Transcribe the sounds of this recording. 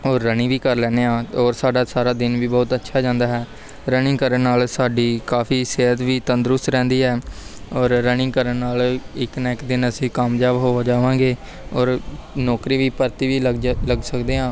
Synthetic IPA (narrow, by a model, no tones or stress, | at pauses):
ɔːɾːənĩːʋiːkəɾlɛːneːãːɔːɾsaːɖaːsaːɾaːd̪ɪnʋiːbɔːt̪ətːʃʰaːd͡ʒãːnd̪aːɦɛː | ɾənɪ̃ŋkəɾəɳːaːlsaːɖiːkaːfʰiːseːɦət̪ʋiːt̪ənd̪ɾʊst̪ɾɛ̃ːnd̪iːɦɛː | ɔːɾːənɪ̃ːkəɾəɳːaːlɪknɛːkd̪ɪnəsĩːkaːmd͡ʒaːbɦoːad͡ʒaːʋãːŋɡeː | ɔːɾnɔːkɾiːʋiːpəɾt̪iːʋiːləɡləɡsəkd̪eːɦãː